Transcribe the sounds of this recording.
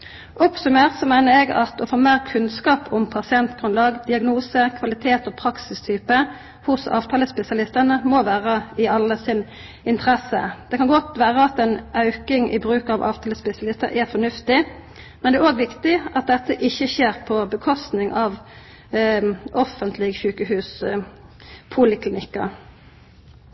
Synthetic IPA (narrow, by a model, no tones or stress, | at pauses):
ʔɔksɔmeːʁsɔmæɪnəɾɛɡɑ̰t̪ɔfoːmeːʁkʰʉnskɑːpʰɔmpʰɑsɪɛnt̪ɡ̥ʁʉnlɑːɡd̪ɪɑɡnuːsəkʰʋɑlɪt̪ʰeːt̪ɔpʰʁɑksɪst̪ʰyːpə | hʊsɑ̰ːʋt̪ʰɑːləspɛsɪɑlɪst̪ənəmɔʋæːʁəɪɑlːəsɪn | ɪnt̪ʰəʁɛsə̰d̪̥ɛkʰɑnɡɔt̪ʋæːʁəɑt̪ɛnɑʉkɪŋʔɪ̰bʁʉːkɑʋʔɑ̰ːʋt̪ʰɑːləspɛsɪɑlɪst̪əɾʔɛfɔɳʉft̪ɪ | mɛnɛæɾoːɡʋɪkt̪ɪɑt̪̚d̪ɛt̪ːəʔɪçːəçeːʁpʰɔbəkʰɔst̪nɪŋʔɑʋ | ʔɔfənt̪ʰlɪɡçʉːkəhʉːs | pʰulɪkʰlɪnɪkːɑ̰